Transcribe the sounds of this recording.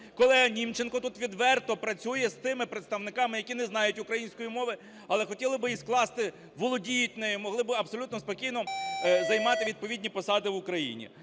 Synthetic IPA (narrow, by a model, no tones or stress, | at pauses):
kɔlˠɛɦɐnʲimt͡ʃenkɔt̪ut̪ʋʲid̪ʋɛrt̪ɔpɾɐt͡sʲujɛst̪ɪmɪpɾet̪st̪ɐʋnɪkɑmɪjɐkʲinɛznɑjʊtʲʊkɾɐjinʲsʲkɔjimɔʋɪ | ɐlˠɛxɔtʲilˠɪbɪjisklˠɑst̪ɪ | ʋɔlˠɔdʲijʊt̚ʲnɛjʊmɔɦlˠɪbɪɐbsɔlʲut̪nɔspɔkʲijnɔzɐjmɑt̪ɪʋʲid̪̚pɔʋʲidʲnʲipɔsɑd̪ɪʋʊkɾɐjḭnʲḭ